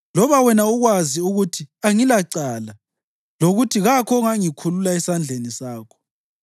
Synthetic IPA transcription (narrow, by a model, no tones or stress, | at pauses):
lɔβawɛnauɣwaziuɣutʰiaŋilaǀala | loɣutʰiɣakʰɔŋaŋikʰululaɛsand͡ɮʱenisaːkʰɔ̥